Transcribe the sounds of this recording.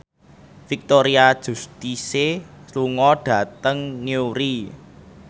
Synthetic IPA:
fik̚t̪oɾiad̥ʒ̥ṳst̪isesluŋɔɖ̥ä̤t̪əŋniuɾi

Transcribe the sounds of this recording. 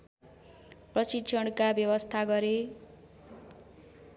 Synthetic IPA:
prʌsit͡sʰʌɽkabjʌwʌst̪ʰaɡʌɾe

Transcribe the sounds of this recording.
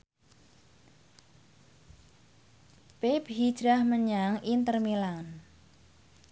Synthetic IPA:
peb̥ɦi̥ʒ̥ɾahməɲaŋint̪ərmilan

